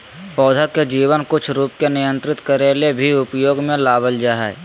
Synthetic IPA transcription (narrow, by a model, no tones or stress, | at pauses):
pɔːd̪ʱəked͡ʒiːʋənkʊt͡ʃʰɾuːpkenɪjə̃nt̪ɾɪt̪kəɾeːlebʱiʊpjoːɡmẽlaːbəld͡ʒaːɦɛ̰